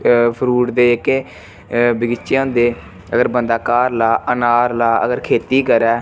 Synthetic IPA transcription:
pʰəɾuːʈd̪eːɪke | bɪɡɪt͡ʃːãʊːnd̪eː | əɡəɾbənd̪aːkaːɾlaːənaːɾlaːə̰ɡəɾkʰeːt̪iːkəɾɛː

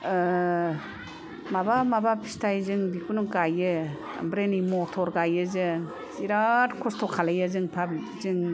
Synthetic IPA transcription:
mabamabapʰi̥stʰajzɯŋbikunuŋkajɯ̰ | mbɾenimɔtʰɔɾɡajɯzɯ | siɾatkʰɔstʰɔkʰalajɯzɯŋpʰap̚zɯŋ

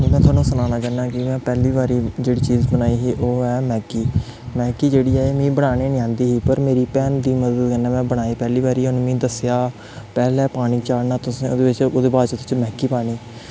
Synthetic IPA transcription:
mɛ̃ːt̪ʰʊwaːnũːsəlaːnaːd͡ʒaːnaːkɪmɛ̃ːpɛːliːbaːɾiːd͡ʒeːɽiːt͡ʃiːzbənaːiːɦiːʔoːɛːmɛ̃ːkiː | mɛ̃ːkiːd͡ʒeːɽiːɛːeːmĩːbəɽ̃aːneːnɪãːnd̪iːɦiːpəɾmeːɾiːpɛːnd̪iːməd̪əd̪kənɛ̃ːmɛ̃ːbəɽ̃aːiːpɛːliːbaːɾiːʊñːmĩːd̪əsjaː | pɛːlɛːpaːɽ̃iːt͡ʃaːɽnaːt̪ʊsĩːoːd̪eːʋɪt͡ʃoːd̪eːbaːt͡ʃt̪ʊt͡ʃmɛ̃ːkiːpaːɽiː

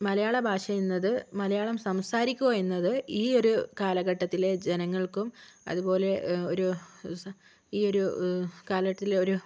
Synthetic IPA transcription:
mɐlɐjaːɭɐbʱaːʂɐjunːɐðɨmɐlɐjaːɭɐmsɐmsaːɾikʲːuʋɐjunːɐðɨiːo̞ɾukaːlɐɣɐʈːɐt̪ːile̞d͡ʑenɐŋːɐɭkumɐ̰ðubo̞ːle̞oɾus | iːo̞ɾukaːlɐɣɐʈːɐt̪ːileo̞ɾu

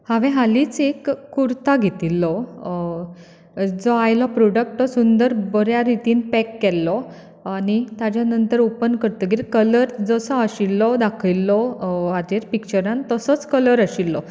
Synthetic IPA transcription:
haʋɛ̃ɦaliːt͡sekːuɾt̪aɡʱet̪ilːɔ | d͡zɔajlɔpɾɔɖək̚ʈːɔsund̪əɾbəɾjaɾit̪iːnpɛkːɛlːɔ | anit̪ad͡ʑjanənt̪əɾopənkəɾt̪ɔɡiɾikələɾd͡zəsəəɕilːɔd̪akʰilːɔad̪eɾpikt͡ɕəɾãnt̪əsət͡skələɾaɕilːɔ

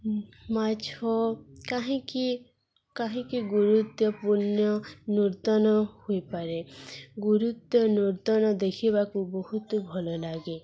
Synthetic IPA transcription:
mat͡ʃhɔkaɦĩki | kaɦĩkiɡuɾut̪jɔpunjɔnuɾt̪ɔnɔhuipaɾeɡuɾut̪jɔnuɾt̪ɔnɔd̪ekʰibakubɔɦut̪bʱɔlɔlaɡe

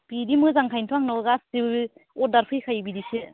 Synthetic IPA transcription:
b̥idimɯzaŋkʰajntʰɔaŋnɔɡastiɔdaɾpʰɯjkʰajbidise

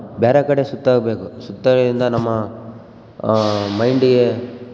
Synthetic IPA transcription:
bɛːɾɐkɐɽesut̪ːaːɡɐbeːkusut̪ːɐɭɐɾind̪ɐnɐmːɐ | mɐjɳɖiɡe̞

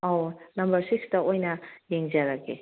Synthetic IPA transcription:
awnɐmbɐɾsiksdɐojnɐjeŋd͡ʒaɾake

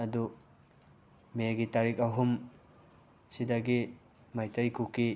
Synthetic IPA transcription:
ɐdu | meɡitaɾik̚aɦum | sidaɡi | majtɐjkuki

